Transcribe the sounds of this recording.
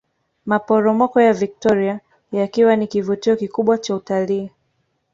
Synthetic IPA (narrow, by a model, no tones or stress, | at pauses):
mapɔɾɔmɔkɔjavik̚tɔɾia | jakiwanikivutiɔkikuɓwat͡ʃautaliː